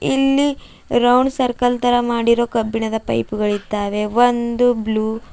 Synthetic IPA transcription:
ilːi | ɾɐwɳɖsɐɾkɐlt̪ɐɾɐmaːɽiɾo̞ːkɐbːiɳɐd̪ɐpɐ̰jpuɡɐɭid̪ːaːʋe̞ʋond̪ubluː

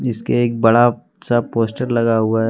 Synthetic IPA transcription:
ɪskeeːk̚bɐɽa | sapoːsʈəɾlɐɡaɦuaɦ

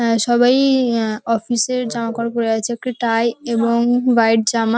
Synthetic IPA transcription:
ʃɔbajɔfiseɾd͡ʑamakɔɾkoɾeɡat͡ɕʰeek̚ʈiʈajeboŋbajɖ̚d͡ʑama

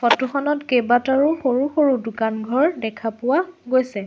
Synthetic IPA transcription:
fɔtuxɔnɔtkebataɹuxoɹuxoɹudʊkanɡʱɔɹdɛkʰapʊwaɡojsɛ

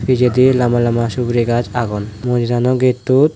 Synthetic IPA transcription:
fʰid͡ʑed̪ilamalamaʃubɾeɡad͡ʑaɡunmod͡ʑid̪anɔɡet̪ːut̪

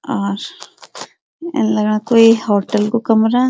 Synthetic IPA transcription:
aːɾ | lɐɡnakoːihoːʈəlkokɐmɾaː

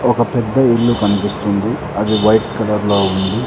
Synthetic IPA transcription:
ɔkɐpɛd̪ːɐiɭːukɐnipist̪und̪i | ɐd̪iʋɐjʈkɐlɐɾloːund̪i

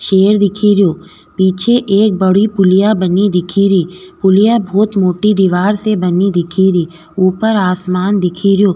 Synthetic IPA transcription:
ʃeːɾd̪ɪkʰiːɾjoː | piːt͡ʃʰeʔeːk̚bəɽipʊlɪjabənid̪ɪkʰiɾiːpʊlɪjabʱɔːt̪moːʈid̪ɪʋaːɾsebənid̪ɪkʰiɾiː | uːpəɾaːsmaːnd̪ɪkʰiɾɪjoː

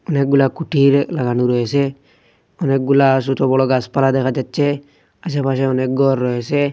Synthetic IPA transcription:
ɔnek̚ɡulakuʈiɾlaɡanuɾɔese | ɔnek̚ɡulas̬ut̪ɔbɔɽɔɡaspalad̪ɛkʰad͡ʒatːt͡ʃʰe | as̬apaʃ̬eɔnek̚ɡɔɾːɔɦese

